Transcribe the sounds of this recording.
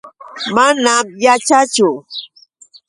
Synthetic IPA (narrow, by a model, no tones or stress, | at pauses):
manamjat͡ʃat͡ʃʊ